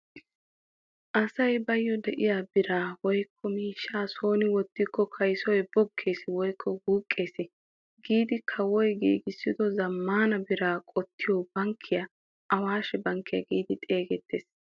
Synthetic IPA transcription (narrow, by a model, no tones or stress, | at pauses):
ʔɐsɐjbɐjːɔd̪ɛʔɪjaːbɪɾaːwɔjkʰːɔmiːʃːaːso̞ːnɪwɔt̪ːɪkːɔkʰɐjsɔjb̥ɔkʰːe̞ːsɪwɔjkʰːɔhuːkʼːe̞ːsɪ | ɡiːd̪ɪkʰɐwɔjɡḭːɡɪsːɪd̪ɔzɐmːaːnɐbɪɾaːkʼɔt̪ːɪjɔbɐŋkʰːɪja | ʔɐwaːʃɛbɐŋkːɪjɐ̰ɡiːd̪ɪt̪ʼe̞ːɡɛt̪ːeːs